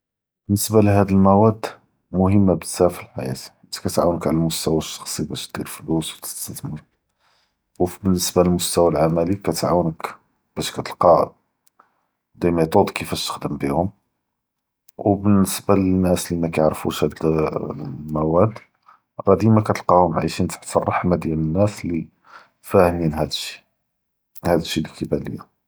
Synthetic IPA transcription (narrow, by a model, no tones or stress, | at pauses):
b̥ənːəsbaliɦæd̪əlmæwæd̪ | mʊhəmːabət̪sæfəlħa̰jæ̰t̪ | kæt̪ʕawnəkʕlælmʊst̪æwæʃːɑ̥xsˤibæʃt̪̚d̪̥iɾfluswt̪ə̥st̪æt̪mu | wfbənːəsbaləlmʊst̪æwælʕamælikæt̪ʕawnək | b̥æʃkæt̪əlqɑ | d̪æjmæjt̪ˤod̪ˤkəfæt̪ə̥xd̪əmbihʊm | wbənːəsbalənːæslimækæjəʕɾfṵʃhæd̪ | mæwæd̪ | rˤɑd̪imækæt̪əlqɑhʊmʕa̰jʃint̪ḁħt̪ɑrˤːɑħmad̪jælənːæsli | fæhninɦæd̪əʃːi̥ | hæd̪əʃːilikəbælə̰jːa